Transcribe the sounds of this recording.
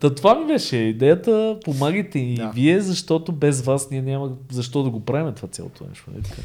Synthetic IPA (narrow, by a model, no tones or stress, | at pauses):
t̪ɐt̪ovamibɛʃɛid̪ɛjət̪əpomaɡət̪ɛiiviɛzɐʃt̪ot̪obɛzvasnʲiɛnʲaməzɐʃt̪ɔd̪ɐɡopɾavimɛt̪ovat̪sʲa̰lˠo̰t̪ʰo̰nɛ̰ʃmo̰nɛ̰t̪ka̰